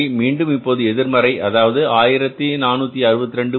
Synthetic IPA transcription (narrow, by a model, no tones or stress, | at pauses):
miːɳɖɯmɪpːoːðɯɛðɪɾmɐɾɐɪʔɐðaːʋɐðɯaːjɪɾɐt̪ːinaːnːuːt̪ːiɐɾɯbɐt̪ːɪɾɛɳɖɯ